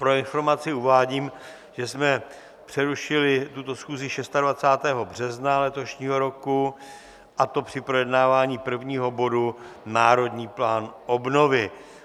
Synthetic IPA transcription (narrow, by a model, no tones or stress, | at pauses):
pɾo̞ɪnfo̞ɾmat͡sɪuvaːɟiːm | ʒ̥ɛsmɛ | pr̥ɛɾuʃɪlɪt̪ut̪o̞sxuːzɪʃɛst̪advat͡saːt̪ɛːɦo̞br̝ɛznalɛt̪o̞ʃɲiːɦo̞ɾo̞ku | ʔat̪o̞pr̝̥ɪpɾo̞jɛdnaːvaːɲiːpr̩vɲiːɦo̞bo̞dunaːɾo̞dɲiːplaːnʔo̞bno̞vɪ